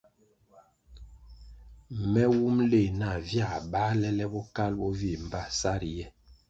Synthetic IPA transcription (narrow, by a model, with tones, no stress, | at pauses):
mɛ˦wu˦mle˨na˨vja˦˨ɓa˦lɛ˦lɛ˦bɔ˦ka˦lbɔ˦vi˦˨m˨ba˦˨sa˦ɾjɛ˦